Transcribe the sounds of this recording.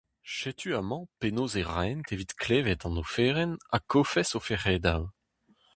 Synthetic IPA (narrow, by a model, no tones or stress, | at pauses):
ʃet̪ʰyamɑ̃penoːzeʁajnt̪ʰevit̪klevɛt̪ɑ̃nofɛːʁɛnakʰofɛsofɛʁɛːd̪aw